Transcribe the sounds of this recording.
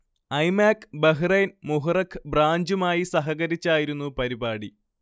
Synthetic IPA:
ɐjmaːkːbɐɦrejnmuɦurɐkʰːɨ̥braːɲd͡ʑumaːjisɐɦɐɣɐɾit͡ɕːaːjiɾunːupɐɾibaːɽi

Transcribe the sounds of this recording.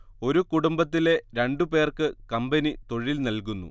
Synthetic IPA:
o̞ɾukuɽumbɐt̪̬ːile̞ɾeɳɖupe̞ːrkɨkɐmbɐnit̪o̞ɻilnɐlkunːṵ

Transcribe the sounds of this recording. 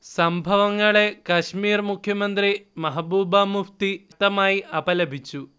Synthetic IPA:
sɐmbʱɐʋɐŋːɐɭe̞kɐɕmiːrmukʰjɐmɐnd̪rimɐɦɐbuːbamuft̪it̪ːɐmaːjiʔɐbɐlɐbʱit͡ɕːu

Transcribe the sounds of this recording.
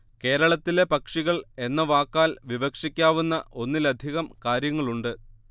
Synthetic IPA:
ke̞ːɾɐɭɐt̪ːile̞pɐkʂiɣɐɭe̞nːɐʋaːkːaːlʋiʋɐkʂikʲːaːʋunːɐʔo̞nːilɐd̪ʱiɣɐmkaːɾjɐŋːɐɭuɳɖɨ

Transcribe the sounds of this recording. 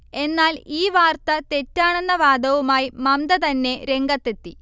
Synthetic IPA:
e̞nːaːliːʋaːrt̪ɐt̪e̞tːaːɳenːɐʋaːd̪ɐʋumaːjimɐmd̪ɐt̪ɐnːe̞ɾe̞ŋɡɐt̪ːet̪ːi

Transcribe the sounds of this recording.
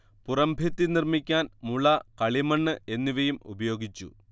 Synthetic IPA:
purɐmbʱet̪ːinirmikʲːaːnmuɭɐkɐɭimɐɳːɨʔe̞nːiʋɐjumṵbɐjo̞ːɡit͡ɕːṵ

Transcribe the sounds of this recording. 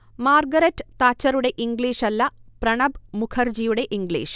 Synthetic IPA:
maːrɡɐɾɐtːt̪aːt͡ɕːɐɾuɽe̞ʔiŋɡliːʂɐlːɐprɐɳɐbmukʰɐrd͡ʑijuɽe̞ʔiŋɡɭḭːʂ

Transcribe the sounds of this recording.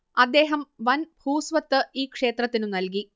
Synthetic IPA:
ɐd̪ːe̞ːɦɐmʋɐnbʱuːsʋɐt̪ːɨiːkʂe̞ːt̪rɐt̪ːinunɐlki

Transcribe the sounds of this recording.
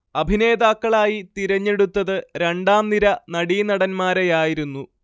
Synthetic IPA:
ɐbʱine̞ːðaːkːɐɭaːjit̪iɾɐɲːe̞ɽut̪ːɐðɨɾe̞ɳɖaːmniɾɐnɐɽiːnɐɽɐnmaːɾejaːjiɾunːu

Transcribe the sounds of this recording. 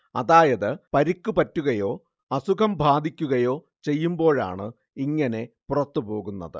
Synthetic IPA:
ɐðaːjɐðɨpɐɾikʲːupɐtːuɣɐjo̞ː | ɐsukʰɐmbʱaːd̪ʱikʲːuɣɐjo̞ː | t͡ɕe̞jːumbo̞ːɻa̰ːɳɨ | iŋːɐne̞purɐt̪ːɨpo̞ːɣunːɐ̰ðɨ̰

